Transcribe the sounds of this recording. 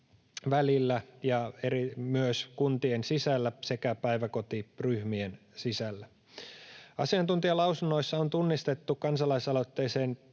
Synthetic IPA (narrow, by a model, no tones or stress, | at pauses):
ʋælilːæjɑeɾimyøskunt̪iensisælːæsekæpæiʋæko̞t̪iryhmien | sisælːæ | ɑ̰siɑnt̪unt̪iɑlɑusunːo̞isːɑont̪unːist̪et̪ːukɑnsɑlɑisɑlo̞t̪ːe̞ːseːn